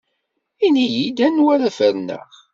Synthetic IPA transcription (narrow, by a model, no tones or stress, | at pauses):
inijid̪ænwæɾafəɾnə̰ʁ